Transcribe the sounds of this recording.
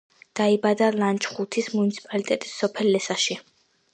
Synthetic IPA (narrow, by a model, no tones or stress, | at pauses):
d̪̥aibad̪alant͡ʃʼχut̪ʰismunit̪sʰi̥pʼalit̪ʼɛt̪ʼisːɔpʰɛlːɛsaʃi